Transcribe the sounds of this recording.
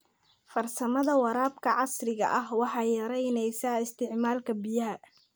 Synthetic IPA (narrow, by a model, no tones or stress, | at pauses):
fɐrsɐmɐðɐwɑɾaːbkʰɐʕɑsrɪɣɐ̰ʔɐɦwɑħɑːjɐɾɛjnɛjsaːɪst̪ʰɪʕmaːlkʰɐbijɐɦɐ